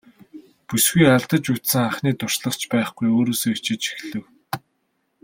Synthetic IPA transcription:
pusɡujaɮt̪ə̆t͡ɕut̪sɘ̆ŋaχniːt̪ʊr̥ʃɮə̆χt͡ɕpæːχɡujoːɾoːsoːt͡ɕɪ̆t͡ɕi̥xɮɘ̆w

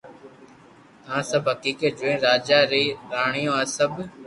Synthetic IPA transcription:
ãːsəbɦəkiːkeːd͡ʒoẽːɾaːd͡ʒaːɾeiːɾaːɳijõːaːsəb

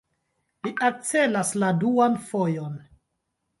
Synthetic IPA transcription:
liʔak̚t͡se̞lasladuanfojon

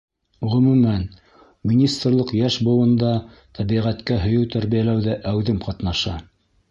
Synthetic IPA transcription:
ʁɵ̆mʉ̆mæn | minʲist̪rlˠɤqjæʃbŏw̪ɤ̆nd̪ɑ | t̪ʰæβiʁæt̪kæɦɵ̆jɵwt̪æɾβijælæwðæʔæwðɘmqɑt̪nɑʃɑ

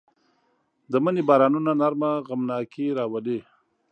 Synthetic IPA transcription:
d̪əmənebɑːɾɑnunanaɾmaɣamnɑkiɾɑwale

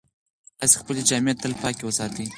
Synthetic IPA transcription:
t̪ɑse̥xpəled͡ʒɑmijat̪ːəlpɑkewəsɑt̪i

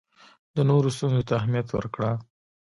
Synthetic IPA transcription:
d̪̥ənoɾost̪unzot̪aaɦmjat̪wə̰ɾkɽa

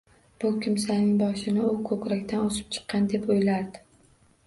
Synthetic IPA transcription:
b̥ʊkʲɪmsanɪŋbɒʃɪnɪʊkʰɵkʲɾakʲt̪ʰanosɪ̥p̚t͡ʃʰɨ̥qːɑnd̪e̞pojlaɾd̪ɪ

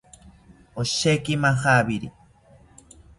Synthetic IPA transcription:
oʃekimaxaβiɾḭ

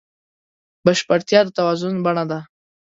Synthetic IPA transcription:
baʃpaɾt̪jɑd̪ət̪awazʊnbaɳad̪a

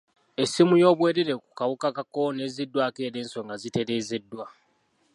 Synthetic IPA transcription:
esimujo̞ːβwe̞ːɾeɾe̞ku̥kawukakakːone̞ːzidːwake̞ːɾeːnso̞ŋɡazite̞ɾe̞ːze̞dːwa

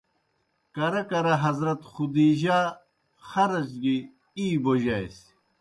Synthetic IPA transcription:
kɐɾɐkɐɾɐɦɐzɾɐt̪xud̪iːʑaː | xɐɾɐzɡi | iːboʑajs

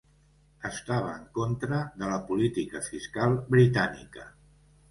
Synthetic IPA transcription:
əst̪aβ̞əːŋkont̪ɾəðələpulit̪ikəfiskalˠbɾit̪anḭkə

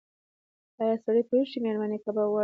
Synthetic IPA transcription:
ɑjɑsaɽəjpəuʃimeɾmanekabawa

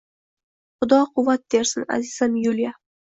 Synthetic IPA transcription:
χʊd̪ɒqʰʊvːat̪̚d̪eɾsɪna̰zɪz̥anjulja

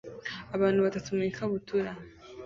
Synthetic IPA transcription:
aβaːnuβatatumikaβutʰuɾa

